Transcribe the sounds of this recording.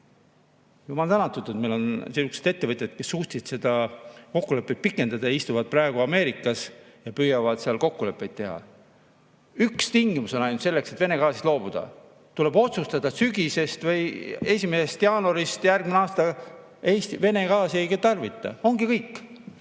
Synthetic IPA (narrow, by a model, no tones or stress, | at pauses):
jumɑlt̪ænɑt̪ːˑut̪ːˑuet̪melo̞nsisuksed̪̥e̞t̪ːevɤt̪ʲjet̪̚ke̞sːuːht̪ʲsid̪̥sed̪̥ɑko̞kːule̞pːˑet̪̚pikːˑe̞nd̪̥ɑd̪̥ɑjɑist̪uvɑd̪̥̚prɑeɡ̥uɑme̞ːɾikːˑɑs | jɑpyːjɑvɑd̪̥seɑlko̞kːule̞pːˑe̞jt̪ːe̞ɦɑ̰ | ykst̪iŋɡimuso̞nɑjnut̪se̞lːe̞kse̞t̪ve̞ne̞ɡɑːsist̪lo̞ːb̥ud̪̥ɑ̰ | t̪ule̞bo̞t̪sust̪ɑd̪̥ɑsyɡ̥ise̞st̪vɤje̞sʲimesest̪jɑːnoɾist̪jærɡmineɑːst̪ɑ | eːst̪ive̞ne̞kɑːsiejɡet̪ɑrvit̪ˑːɑ̰o̞ŋɡikɤjkːˑ